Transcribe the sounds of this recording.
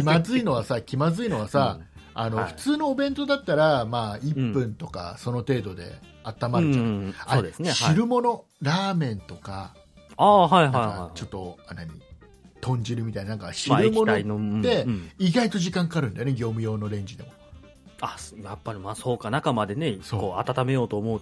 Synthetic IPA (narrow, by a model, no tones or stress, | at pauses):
kimazɨino̞β̞asakʲimazɨino̞β̞asaano̞ɸɯ̥t͡sɨːno̞ːbẽ̞nt̪o̞d̪at̪ːaɾamaːippːɯ̟̃nt̪o̞ka̰so̞no̞t̪e̞ːd̪o̞d̪e̞̰ | at̪ːamaɯaad̪esɨneɕiɾɯ̟mo̞no̞ | ɾaːmẽ̞nt̪o̞ka | aːɦaiakaat͡ɕo̞t̪ːo̞naɲ̟ḭ | t̪ʰõ̞ɲ̟d͡ʑiɾɯ̟mʲit̪ainnãŋkaɕiɾɯmonainod̪e̞iɡait̪o̞ʑikãŋkaaːɾɯ̟nd̪ajoeɡʲo̞ːmɯ̟jo̞ːno̞ɾẽ̞ɲ̟d͡ʑid̪e̞̰mo | ajjapːaɾʲimaːso̞ːkanakamad̪e̞ne̞sokːoːat̪at̪ame̞jo̞ːt̪oːmo̞ɯ